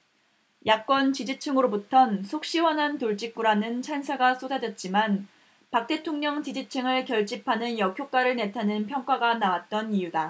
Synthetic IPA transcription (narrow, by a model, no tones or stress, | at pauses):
jʔak̚k͈ʌnt͡ɕid͡ʑit͡ɕʰɯŋɯɾobutʰʌnsʰok̚ɕ͈iwʌnɦantoɭt͡ɕ͈ik̚k͈uɾanɯnt͡ɕʰansʰaɡas͈ʰodad͡ʑʌt̚t͡ɕ͈iman | pak̚t͈e̞tʰoŋɲʌŋt͡ɕid͡ʑit͡ɕʰɯŋɯɭkjʌɭt͡ɕ͈ipʰanɯnjʌkʰjok͈aɾɯɭne̞tʰanɯnpʰjʌŋk͈aɡanawat̚t͈ʌnijuda